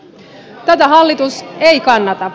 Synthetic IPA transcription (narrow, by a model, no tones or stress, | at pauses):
t̪æt̪æɦɑlːit̪usejkɑnːɑt̪ɑ